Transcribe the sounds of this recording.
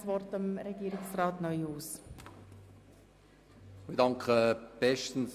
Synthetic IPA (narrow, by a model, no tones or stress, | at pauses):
svɔrtɑmɾɛɡ̥iːɾɪksraːtnœjuːs | midɑŋkχəb̥ɛʃtn̩s